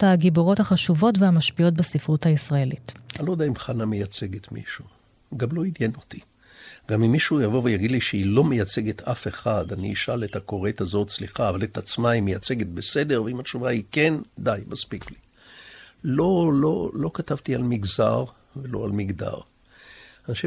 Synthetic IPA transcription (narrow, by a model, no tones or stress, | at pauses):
thaɡiboʁo̞thaχaʃuvo̞tveamaʃpio̞t̚besifʁuthaisʁaelitalo̞d̪aimχanamejat͡se̞ɡet̪mḭʃu | ɡamlo̞injeno̞t̪i | ɡamimːiʃujavo̞vejaɡid̪liʃeilo̞mejat͡se̞ɡet̪ʰafe̞χad̪anḭiʃalet̪ako̞ʁe̞t̪azo̞tsliχaːvalet̪at͡smaimejat͡se̞ɡet̪bese̞d̪eʁveimat͡ʃuvaikend̪ajmaspikli | lo̞lolo̞katavt̪ialmiɡza̰ʁ | velo̞̰almiɡd̪a̰ʁ | anaʃi